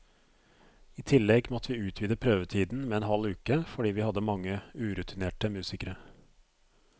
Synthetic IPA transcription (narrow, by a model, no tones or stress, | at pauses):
iːt̪ʰɪlːɛɡmɔt̪ʰəʋiːʉːt̪ʰʋiːd̪əpʰɾøːʋət̪ʰiːd̪n̩mɛɛnhɑlʉːkəfɔɖiːʋiːhɑd̪ːəmɑŋːəʉːɾʉt̪ʰɪneːʈəmʉːsɪkəɾə